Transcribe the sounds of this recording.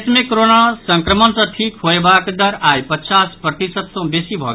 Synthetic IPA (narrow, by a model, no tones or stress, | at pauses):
smẽkɾonasɐ̃ŋkɾəmənsɐ̃ʈʰiːkɦojbaːkd̪ɐɾaːjpət͡ʃaːspɾɐt̪isəd̪sõbesibʱɔ̰ɡ